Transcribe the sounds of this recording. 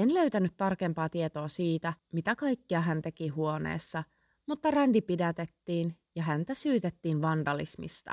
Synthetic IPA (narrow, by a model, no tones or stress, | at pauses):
enløɥt̪ænyt̪ːtɑrkempɑːt̪iet̪o̞ːsiːt̪æmit̪ækɑjkːiɑɦænt̪e̞kiɦuo̞nḛːsːɑ | mut̪ːɑrændipidæt̪et̪ːiːn | jɑɦænt̪æsyːt̪et̪ːiːnʋɑndɑlḭsmḭst̪ɑ̰